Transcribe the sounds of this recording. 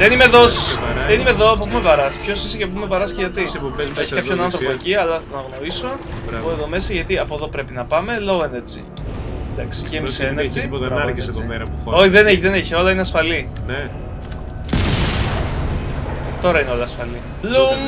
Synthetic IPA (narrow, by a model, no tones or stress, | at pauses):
ðenimeðosðenimeðoɐpopumevɐɾɐspçosisiceop̬umevɐɾɐsceʝɐt̪iseobezeçkɐpçonɐnθɾopoeciɐlɐθɐt̪onɐɣno̞isooeðo̞me̞sɐʝɐt̪iɐpo̞ðo̞pɾe̞pinɐpɐme̞loɣoene̞t͡sḭ | d̪ɐksi̥cemiseenet͡siɐisoieɾɐoiðeneçðeneçio̞lɐineɐsfɐli | ne | t̪o̞ɾɐineo̞lɐːsfɐli | lu